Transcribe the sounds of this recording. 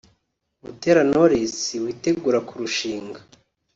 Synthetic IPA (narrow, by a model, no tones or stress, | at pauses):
mute̞ɾanoɾesiwiːte̞ɡuːɾakuɾuʃiːŋɡa